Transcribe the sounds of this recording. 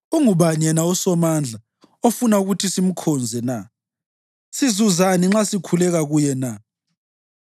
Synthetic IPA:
uŋuβaɲɛnausɔmand͡ɮʱa | ofunauɣutʰisim̩kʰɔnd͡zʱɛna | sizuzaniŋ͡ǁasikʰulɛɣaɣujɛna

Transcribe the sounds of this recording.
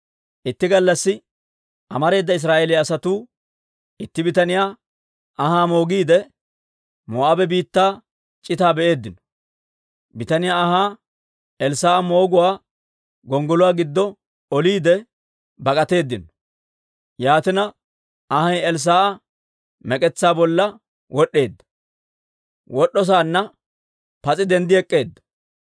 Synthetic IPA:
ʔɪt̪ːɪɡɐlːɐsːɪ | ʔɐmɐɾe̞ːd̪ːɐɪs̬ɾaːʔeːlɪɐsɐt̪uː | ʔɪt̪ːɪbɪt̪ɐnɪjaː | ʔɐhaːmo̞ːɡiːd̪ɛ | moːʔɐbɛbiːt̪ːaː | t͡ʃʼɪt̪aːbɛʔe̞ːd̪ːɪnɔ | bɪt̪ɐnɪjaːɦaː | ɛlsaːʔɐmo̞ːɡʊwaː | ɡɔŋɡɔlʊwaːɡɪd̪ːɔ | ɔliːd̪ɛ | bɐkʼɐt̪e̞ːd̪ːɪn | jaːt̪ɪnɐ | ɐhɐjɛls̬aːʔɐ | mɛkʼɛt͡sːaːbɔlːɐ | wɔɗːe̞ːd̪ːɐ̥ | wɔɗːɔs̬aːnːɐ | pɐt͡sʼɪd̪ɛnd̪ɪɛkʼːe̞ːd̪ːɐ̥

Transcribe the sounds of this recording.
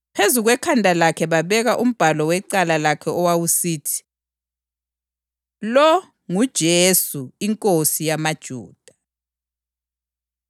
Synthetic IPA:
pʰezuɣwɛkʰandʱalakʰɛβaβɛɣaʔum̩b̥ʱalɔwɛǃalalakʰɛɔwawusiːtʰi̥ | lɔ | ŋud̥ʒ̥ʱesuiŋkʼosijamad̥ʒ̥ʱṵːd̥ʱa

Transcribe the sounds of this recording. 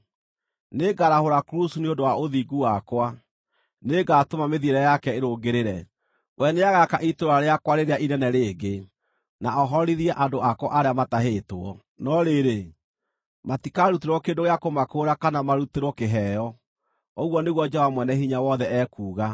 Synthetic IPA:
neɡaɾahoɾakɾusuneondowaoðiɡuwakwa | neɡatomameðieɾɛjakɛeɾoɡeɾeɾɛ | wʔɛneaɣakaʔitoɾaɾeakwaɾeɾeaʔinɛnɛɾeːɡe | naɔɦɔɾiðiɛʔadoakwɔa̰ʔaɾeamataɦeːtoɔ̰ | nɔɾeɾe | matikaɾuteɾwɔkeːndoɣejakomakoɾakanamaɾuteɾwɔkeɦɛjɔ | oɣwɔneɣwɔd͡ʒɛɔvamwɛnɛhiɲawɔðɛɛːkuːɣa

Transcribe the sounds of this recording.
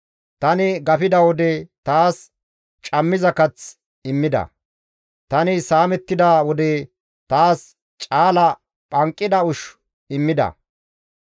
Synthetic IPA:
t̪ɐnɪɡɐfɪd̪ɐwɔd̪ɛt̪aːs | t͡ʃʼɐmːɪzɐkɐt͡s | ɪmːɪd̪ɐ̰ | t̪ɐnɪsaːmɛt̪ːɪd̪awɔd̪ɛ | t̪aːs | t͡ʃʼaːlɐ | pʼɐŋkʼːɪd̪ɐʊʃ | ɪmːɪd̪ɐ̰

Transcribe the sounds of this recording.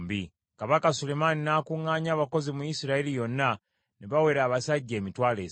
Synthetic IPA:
mbi | kaβakasule̞maninaːkuŋɡaːɲaːβako̞zimujisiɾailijo̞nːa | neβawe̞ɾaːβasaɟːe̞ːmitwaːleː

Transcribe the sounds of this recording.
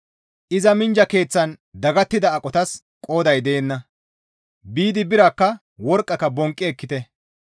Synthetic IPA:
ʔɪzɐmɪnd͡ʒɐke̞ːt͡sːɐn | d̪ɐɡɐt̪ːɪd̪ɐːkʼːɔt̪ɐs | kʼo̞ːd̪ɐjd̪eːnːɐ | biːd̪ɪbɪɾakːɐ | wɔɾkʼːɐkːɐbɔŋkʼːɪɛkːɪt̪ɛ

